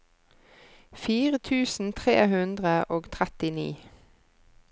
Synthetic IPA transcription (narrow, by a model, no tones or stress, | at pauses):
fiːʁət̪ʰʉːsn̩t̪ʰʁḛːhʉnd̪ʁəʔoːɡt̪ʰʁɛt̪ɪnḭː